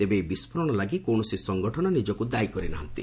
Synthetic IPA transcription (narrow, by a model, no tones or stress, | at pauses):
t̪ebeːbispʰɔɾɔɽ̃ɔlaɡikoɳɔsisɔŋɡɔʈʰɔnɔnid͡ʒɔkud̪ajkɔɾinaɦɔnt̪i